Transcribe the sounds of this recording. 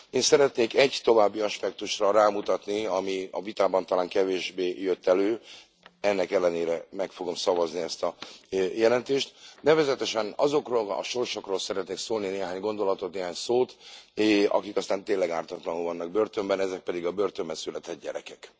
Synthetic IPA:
eːnsɛɾɛt̪neːkɛɟt̪o̞vaːbːiɒʃpɛk̚t̪uʃrɒraːmut̪ɒt̪niɒmiɒvit̪aːbɒnt̪ɒlaːŋkɛveːʒbeːjøt̪ːɛløː | ɛnːɛkɛlːɛneːɾɛmɛkfo̞ɡo̞msɒvɒzniɛst̪ɒjɛlɛnt̪eːʃt̪nɛvɛzɛt̪ɛʃɛnɒzo̞kroːlɒ̰ʃo̞rʃo̞kroːlsɛɾɛt̪neːksoːlnineːɦaːɲɡo̞nd̪o̞lɒt̪o̞t̪neːɦaːɲsoːt̪ | ɒ̰kikɒst̪aːnt̪eːnlɛɡaːrt̪ɒt̪lɒnulvɒnːɒɡ̚bøːrt̪ø̞mbɛnɛzɛk̚pɛd̪iɡɒbøːrt̪ømbɛnsylɛt̪ɛd̪̚ɟɛ̰ɾɛkɛk

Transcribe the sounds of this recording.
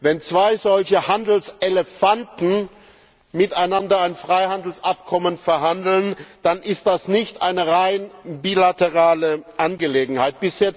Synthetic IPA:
vɛnt͡sv̥aɪzɔlçəhandl̩sʔeləfantn̩ | mɪtaɪnandɐaɪnfʁ̥aɪhandl̩sʔap̚kʰɔmənfɛɐɦandl̩nd̥anʔɪst̚d̥asnɪçtʔa̰ɪnəʁaɪnbiːlatəʁaːləʔanɡəleːɡŋ̩haɪt̚b̥ɪsjɛt͡s

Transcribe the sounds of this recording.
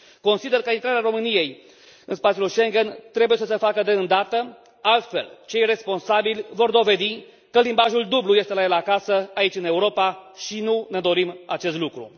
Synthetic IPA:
ko̞nsid̪e̞rkəint̪ɾaɾeaɾo̞mɨnije̞j | ɨnspat̪siuluʃe̞ŋɡent̪ɾe̞buje̞səsəfakəd̪e̞ɨnd̪at̪ə | alt̪fe̞̰lt͡ʃe̞jre̞spo̞nsabilʲvo̞rd̪o̞ve̞d̪i | kəlimbaʒuld̪ublujest̪elajelakasəait͡ʃʲɨne̞uɾo̞paʃinune̞d̪o̞ɾima̰t͡ʃe̞s̬t̪lukɾṵ

